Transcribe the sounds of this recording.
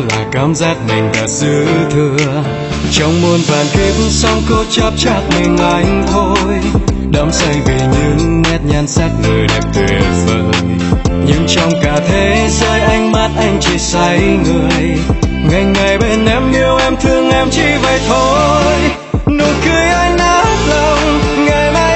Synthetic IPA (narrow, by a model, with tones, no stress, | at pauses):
laː˨˩kaː˨˦mzaː˦˥k̚mï˨˩ŋ̟ɗaː˨˩t̚z̥ɨ˧˦t̪ʰɨ˧ə | t͡ɕɔ˧wŋ͡mmo˧nvaː˨˩nki˧˦p̚m̩˦sɔ˧wŋ͡mko˧t͡ɕə˧˦p̚t͡ɕaː˦˥k̚mi˨˩nlaː˨˩jt̪ʰo˧j | ɗə˨˦wŋ͡msə˧jvi˨˩ɲɨ̰˧˦ŋːɛ˦˥t̚ɲaː˧nsaː˦˥k̚nɨː˨˩jɗɛ˨˩p̚t̪ʰwi˨˩fəː˧j | ɲɨ̰˧˦˥ŋt͡ɕɔ˧wŋ͡mkaː˨˩t̪ʰe˨˦zəː˧jʔa˧jŋ̟ma˦˥t̚ʔa˧jŋ̟t͡ɕi˧˩t̚sa˧˦jŋɨ˨˩əj | ŋa˨˩jŋ̟ŋa˨˩jɓe˧nʔɛ˧˦mʔi˧əwʔɛ˧mt̪ʰɨ˧əŋʔɛ˧mt͡ɕi˧və˨˩jt̪ʰo˧j | nu˧˨˦kɨ˧əjʔa˧jŋ̟naː˧˦k̚la˨˧˩wŋ͡mŋa˨˩jmaː˧